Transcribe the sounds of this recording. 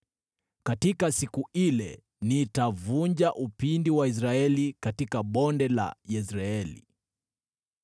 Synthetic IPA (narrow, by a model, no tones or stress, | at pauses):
katikasikuilɛ | nitavuɲd͡ʒaʔupindiwais̬ɾaɛlikatikaɓɔndɛla̰jɛsɾaɛlḭ